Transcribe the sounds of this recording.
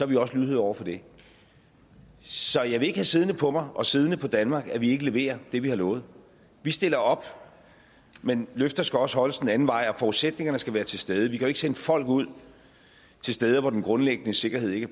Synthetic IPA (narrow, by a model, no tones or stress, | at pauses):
sɒhɑʋiɒ̽səlyðˠhḛɒʊ̰ɐfɒ̽d̥e̝ | sɒ̽jɑ̈ɪʋe̝e̝ɡ̥əhæsið̞ˠnəpʰɒ̽mɑ̈ɪʔɒ̽sið̞ˠnəpʰɒ̽d̥ænmɑ̈ːɡ̥æʋie̝ɡ̥əle̝ʋe̝̰ːɐd̥e̝ʋihɑ̈lɔːð̩ˠ | ʋisd̥e̝lɐɒ̽b̥ | menløfd̥ɐsɡ̥æɒ̽səhɒ̽ləsd̥enæn̩ʋɑ̈ɪ̰ɒ̽fɒːuðˠsed̥ne̝ŋɐnəsɡ̥æʋæːɐt͡sʰe̝lsd̥eð̞ˠəʋikʰæjoe̝ɡ̥senəfɒ̽l̰ɡ̥uð̞̰ˠ | t͡sʰe̝lsd̥eːð̞ˠəʋɒd̥enɡ̥ʁɔ̽nleɡ̥ənəse̝ɡ̥ɐhe̝ð̞̰ˠe̝ɡ̥æɐ